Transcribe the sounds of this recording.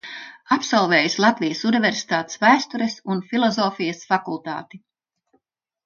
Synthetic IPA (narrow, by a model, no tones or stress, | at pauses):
apsalˠveːjuslˠɑt̪vijəsuniveɾsi̥t̪aːt̪svæːst̪uɾesunfilˠɔzɔːfijɐsfakulˠt̪a̰ːt̪i